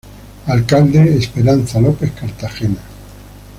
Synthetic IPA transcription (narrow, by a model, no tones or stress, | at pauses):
alkald̪eːspeɾanθalopeθkaɾt̪axena